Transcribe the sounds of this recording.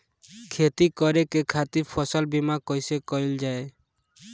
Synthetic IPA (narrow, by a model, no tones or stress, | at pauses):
kʰet̪ikɔɾekekʰat̪iɾpʰɔsɔlbimakɔjsekɔjld͡ʒae